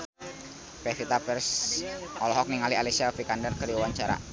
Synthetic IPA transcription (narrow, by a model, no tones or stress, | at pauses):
pɛfit̪apɛrsʔɔlɔɦɔk̚niŋalialisiafikandərkəɾiawaɲt͡ʃaɾa̰